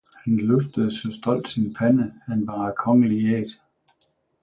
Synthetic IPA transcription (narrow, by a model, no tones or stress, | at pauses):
hænløfd̥əðˠsɒ̽sd̥ɒ̽l̰d̥sinpʰænəæenb̥ɑkʰɒ̽ŋəlieːd̥